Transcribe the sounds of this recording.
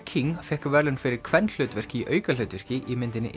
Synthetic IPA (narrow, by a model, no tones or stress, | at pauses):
kʰiŋfɛhkvɛɾlʏnfɪɾɪɾ̥kʰvɛnːl̥œɥt̪vɛr̥cɪiʔœːɥkalœɥt̪vɛr̥cɪʔimɪnt̪ɪnːɪ̰ʔ